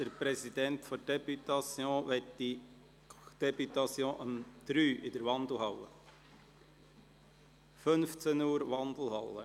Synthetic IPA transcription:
d̥əɾpɾɛsid̥̪ɛnt̪fɔɾd̥ɛpyt̪ɑsjõːʋɛtdi | d̪̥ɛpyt̪ɑsjõːʔəmd̪̥ɾyːʔɪd̪əɾʋɑnd̪l̩ˠhɑwə | fɵnft͡senuːɾʋɑnd̪l̩ˠhɑlːə̰

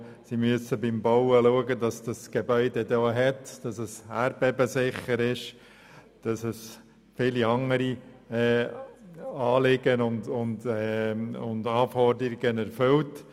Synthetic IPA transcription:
simyəsəbɪmbɔwəluəɡədɑsd̥ɑsɡ̥ebœʏd̪ɛd̪oːɦɛtd̥ɑsəsæːɾb̥ɛbəsɪχːəɾɪʃ | d̥ɑsɛs | fɪːliɑŋəɾi | ɛː | ɑːlɪɡ̥ənʊnd̪ʊnd̪ɛʊndɑːfɔɾdəɾiɡ̥ənɛɾfʏlt

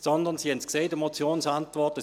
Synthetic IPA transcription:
sɔnd̪ənsihɛntskseːdəmot͡sjoːnsantvɔɐtə

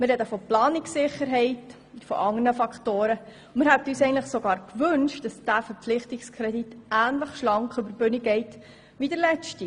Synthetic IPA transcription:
mɪrɛdəfɔplɑːniksɪχəɾɦɛɪt | fɔ̰ʔɑŋənəfɑkχtoːɾə | mɪɾhɦɛb̚tyːsɛɪəntləχsoɡɑːɾkʋʏnʃtd̥ɑsd̥æːfəɾp͡flɪχtikskʰɾɛditæːnləχʃlɑŋkχʏbəɾbøniɡɛɪt | ʋidəɾlɛt͡ʃti

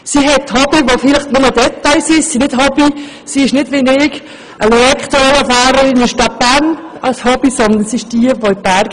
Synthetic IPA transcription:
siɦɛtːhɑbiʋofɪlɪχtnʊmədɛt̪ːaɪsɪʃsinɪtɦɑbi | siɪʃnɪdʋɪnɪɡ | ʔəleɛkχt̪oɛləfaːɾəɾɪnɪʃtɑt̚b̥æɾnɑlshɑb̥isɔnd̪ənsiɪʃd̥iəʋoɪb̥æɾɡ

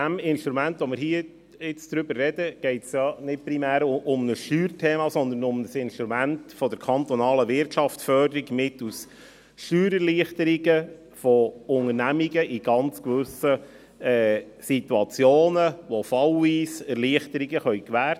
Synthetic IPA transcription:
æmɪnʃt̪ɾumæntʋomɪɾhiːə | ɪt͡sd̥̪ɾʏbəɾːɛdəɡ̥ɛɪtsjɑnɪt̚pɾimæːɾʔʊmnəsʃtyːɾtʰeːmɑsɔnd̪ənʊmnəsɪnʃt̪ɾumæntfɔd̥̪əɾkʰɑnt̪ɔnɑːləʋɪɾtʃɑftfœdəɾiɡmɪtus | ʃtyːɾəɾliəχt̪əɾiɡə | fɔʊŋəɾnæmiɡəʔiɡ̥ɑnt͡skʋʏsə | ɛːsit̪uɑt͡sjoːnəʋofɑliːsɛɾliəχt̪əɾiɡəχœɥkʋæːɾt

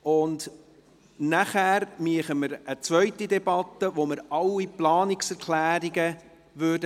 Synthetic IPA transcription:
ʊnd | næχæːɾmiəχəməɾət͡sʋœʏtidɛbɑt̪ːəʋoməɾɑlːiplɑːniksɛɾkʰlæːɾiɡə | ʋøːdə

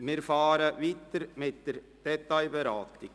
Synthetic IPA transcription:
mɪɾfɑːɾəʋiːt̪əɾmɪt̚d̥əɾ | d̥ɛt̪aɪbɛɾɑːt̪ɪɡ

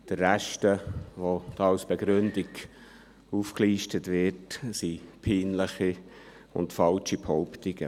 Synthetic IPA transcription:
d̪̥əːæʃtəʋod̥ɑɑlsb̥eɡɾɵndiɡ | uːfkliːʃtətʋɪtsipʰiːnləχi | ʊ̰ntfɑlt͡ʃiphɔʊpt̪ɪɡ̥ə

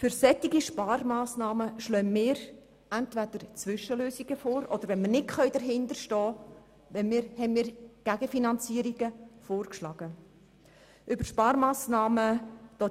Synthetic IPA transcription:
fʏɾsɛt̪ːiɡiʃpɑːɾmɑːsnɑːməʃlœnmɪːɾ | ænt̪væd̪əɾt͡sʋʏʃəløːsiɡ̥əfoːɾʔɔd̥̪əɾʋɛnmɪɾnɪtχœɥd̪əɾɦɪnd̪əʃtɔː | ʋɛnmɪːɾhɛnmɪːɾɡ̥æɡ̥əfinɑnt͡siːəɾiɡ̥əfoːrkʃlɑːɡ̥ə | ʔʏbəʃpɑːɾmɑːsnɑːməd̥ɔː

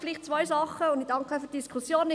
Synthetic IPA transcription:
fɪliːχtt͡sʋɔjzɑχəʊndidɑŋkəfyːtd̥iskʰusjoːn

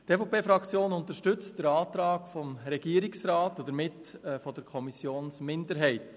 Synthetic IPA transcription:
tɛfopʰeːfɾɑkʰt͡sjoːnʊnt̪əʃtʏt͡std̥əɾɑːt̪ɾɑːɡ̥fɔmɾɛɡ̥iəɾɪksɾɑːtʊd̪əɾmɪtːfɔdəɾkʰɔmisjoːnsmɪndəɾɦɛɪt

